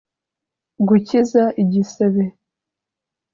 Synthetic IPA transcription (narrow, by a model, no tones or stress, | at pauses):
ɡucizaʔiɟiseβe